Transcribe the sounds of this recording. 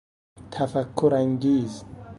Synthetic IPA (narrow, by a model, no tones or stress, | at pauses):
tʰafakʰːuɾaŋɡiːzi